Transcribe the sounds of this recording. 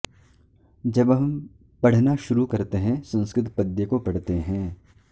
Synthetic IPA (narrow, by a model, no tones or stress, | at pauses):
d͡ʒɐbɦɐ̃m | pɐɽ̤naʃʊɾukɐɾt̪eɦɛ̃sɐ̃nskɾɪt̪pɐd̪jəkopɐɽ̤t̪eɦɛ̃ː